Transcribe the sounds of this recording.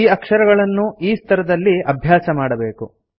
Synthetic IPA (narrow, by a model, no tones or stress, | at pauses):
iːɐkʂɐɾɐɡɐɭɐnːuiːst̪ʰɐɾɐd̪ɐlːiɐbʱjaːsɐmaːɽɐbe̞ːku